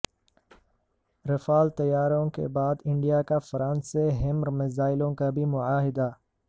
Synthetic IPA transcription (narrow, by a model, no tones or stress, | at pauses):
ɾɪfaːlt̪ɐjaːɾõkḛbaːd̪ɪ̃ɳɖijakafɐɾãːnseɦɪmɾmɪzaːɪlõkabʱimʊʕaːɦɪd̪a